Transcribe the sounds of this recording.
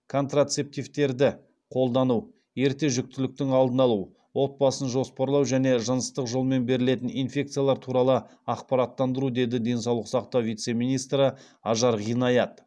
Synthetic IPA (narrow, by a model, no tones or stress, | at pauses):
kʰo̞nt̪rat̪se̞p̚t̪ijvt̪e̞ɾd̪ɪ | qʰo̞lˠd̪ɑnuw | je̞ɾt̪e̞ʒʏk̚t̪ɪlɪk̚t̪ɪŋɑlˠd̪ənɑlˠuw | wo̞t̪̚bɑsənʒo̞spɑɾlˠɑwʒæne̞ʒənəst̪əqʒolˠme̞nbe̞ɾɪle̞t̪ɪninfʲe̞k̚t̪sɨjalˠɑɾt̪ʰuɾɑlˠə | ɑqpɑɾɑt̪ːɑnd̪əɾud̪e̞d̪ɪd̪e̞nsɑwlˠəqsɑqt̪ɑwvijt̪se̞mijnijst̪ɾə | ɑʒɑɾʁijnɑjɑt̪